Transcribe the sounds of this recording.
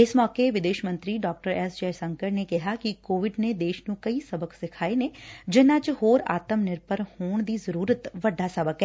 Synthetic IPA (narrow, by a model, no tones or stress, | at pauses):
ɪsmɔːkeʋɪd̪eːʃmə̃nt̪ɾiːɖɔːk̚ʈəɾɛːsd͡ʒɛːɾsəŋkəɾneːkɪɦaːkɪkoːʋɪɖneːd̪eːʃnũːkəiːsəbəksɪkʰaːeneːd͡ʒɪnãːt͡ʃhoːɾa̰ːt̪əmnɪɾpəɾhoːɳ̃d̪iːzəɾuːɾət̪ʋəɖːaːsəbəkɛː